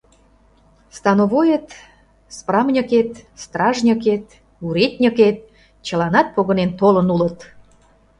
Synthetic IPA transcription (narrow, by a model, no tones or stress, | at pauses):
st̪ɑnoβojet̪ | sprɑmnʲəket̪st̪rɑʒnʲəket̪ | uɾet̪̚ʲnʲəket̪̚ | t͡ɕə̆lɑnɑt̪̚poɣə̆nent̪olənulət̪